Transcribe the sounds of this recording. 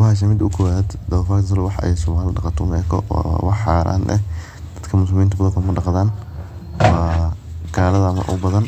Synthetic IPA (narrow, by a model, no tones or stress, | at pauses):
whaːʃ̬ɐmɪd̪ʊkʰɔwaːd̪d̪ɐfɐkt̪ʰɐs̬ɐlɔwɑħʔɛ̰jsɔmaːlɪɖɑqɑt̪ʰɔmɛ̰ːkʰɔ̰wɑħħɑːɾʔa̰ːnɛ̰ | dd̪̥ɐd̪kʰɐmʊs̬lɪmiːnt̪ɐbɐðɐkʰɐmɐɖɑqðaːn | waːɡʰaːlɐðɐɐmɐ̰ʔʊ̰bɐðɐn